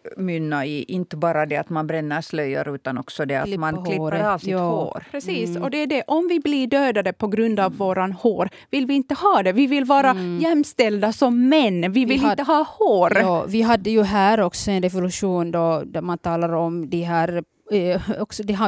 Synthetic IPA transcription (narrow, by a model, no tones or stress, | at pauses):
mʏnːaiʔɪnt̪əbɑːɾad̪ɛa̰t̪manbɾɛnːəɾʂlœjːə̰ɾʉ̟ːt̪anɔ̰ksɔd̪ɛa̰lmanholɪːɾɾasɑːhːɾpʰɾɛsiːsɔd̪ɛæɖɛʔɔmvɪbliɖøːd̪ad̪əpʰɔɡɾɵnd̪avːoːɾanhoːɾ | vɪlvɪɪnt̪ːəhɑːd̪ɛvɪvɪlːvɑːɾajɛmːst̪ɛld̪asɔmːɛnːvɪvɪlɪnəɦɑːhoːɾɑːvɪɦad̪ːəjɵɦæːɾɔksɔɛnɾɛvʊlʉʂuːnd̪ɔd̪æɾmant̪ʰɑːlaɾɔmd̪ɛɦæːɾ | ɔksɔd̪ɛɦa